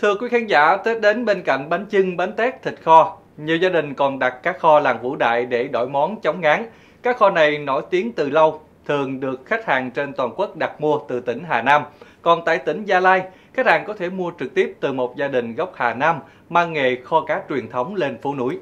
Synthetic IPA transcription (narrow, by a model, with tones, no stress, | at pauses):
t̪ʰɨ˧əkwi˨˦kʰaː˨˦nza̰ː˧˩t̪e˦˥t̚ɗe˨˦nɓe˧nka̰˧˨jŋ̟ɓa˨˦nt͡ɕɨ˧ŋɓa˨˦nt̪ɛ˦˥t̚t̪ʰï˨˩k̟̚xɔ˧ | ɲi˨˩əwzaː˧ɗï˨˩ŋ̟kɔ˨˩nɗa˨˩t̚kːaː˦˥k̚xɔ˧laː˨˩ŋvṵ˧˥˩ɗa̰ː˧˨jɗe˧˩ɗo̰˧˩jmɔ˨˦nt͡ɕɔ˨˦wŋ͡mŋaː˨˦ŋ | kaː˦˥k̚xɔ˧na˨˩jno˧˩jt̪i˨˦ənt̪ɨ˨˩lə˧w | t̪ʰɨ˨˩əŋɗɨ˨˩ək̚xa˦˥k̟̚haː˨˩ŋt͡ɕe˧nt̪waː˨˩nku˦˥k̚ɗa˨˩t̚mu˧ət̪ɨ˨˩t̪ï˧˩ŋ̟ɦaː˨˩naː˧mkɔ˨˩nt̪a̰ː˧˨jt̪ï˧˩ŋ̟zaː˧laː˧j | xa˦˥haː˨˩ŋkɔ˨˦t̪ʰe˧˩mu˧ət͡ɕɨ˨˩k̚t̪i˦˥əp̚t̪ɨ˨˩mo˨˩t̚zaː˧ɗï˨˩ŋ̟ɣə˦˥wk͡p̚haː˨˩naː˧m | maː˧ŋːe˨xɔ˧kaː˨˦t͡ɕwi˨˩ənt̪ʰə˨˦wŋ͡mle˧nfu˧˦nṵ˧˩˨j